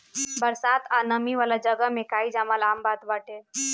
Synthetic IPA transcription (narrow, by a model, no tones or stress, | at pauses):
bəɾsat̪anəmiʋalad͡ʒəɡəmẽkaid͡ʒaməlambat̪baʈe